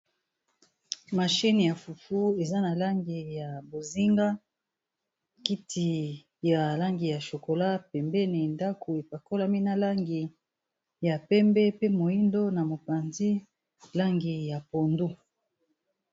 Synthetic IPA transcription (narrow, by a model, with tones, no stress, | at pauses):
ma˨ʃi˦ni˨ja˨fu˨fu˦e˨za˦na˨la˦ŋɡi˨ja˨bo˨zi˦ŋɡa˦ | ki˦tʰi˨ | ja˨la˦ŋɡi˨ja˨ʃo˨ko˨la˦pɛ˨mbɛ˦ne˨nda˦kʰo˨e˨pa˨ko˦la˦mi˦na˨la˦ŋɡi˨ | ja˨pɛ˦mbɛ˦pe˦mo˨i˦ndo˦na˨mo˨pa˨nzi˦ | la˦ŋɡi˨ja˨po˨ndu˦